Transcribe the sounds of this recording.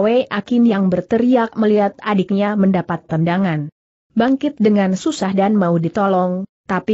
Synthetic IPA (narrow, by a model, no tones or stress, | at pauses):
weʔakɪnjaŋbərt̪əɾiak̚məliɦat̪adɪk̚ɲaməndapat̪ːəndaŋan | baŋkɪt̪̚dəŋansusahdanmaudit̪ɔlɔŋt̪api